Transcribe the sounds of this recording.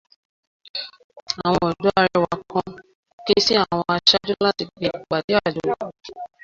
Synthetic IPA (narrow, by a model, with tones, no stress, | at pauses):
a˨w̃ɔ̃˧ɔ˨du˨˦a˧ɾɛ˧wa˨˦kʰɔ̃˦ | ke˦si˦a˦˨w̃ɔ̃˧a˧ʃa˦d͡ʒu˦la˦ti˧˨ɡe˨k͡pa˨di˨˦a˦˨d͡ʒo˨